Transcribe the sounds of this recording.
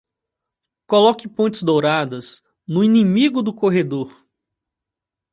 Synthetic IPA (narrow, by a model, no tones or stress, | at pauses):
kolɔkɪpõt͡ʃ̪ɪ̥zd̪owɾad̪ɐs | nʊinĩmiɡʊd̪ʊkoɦed̪oɾ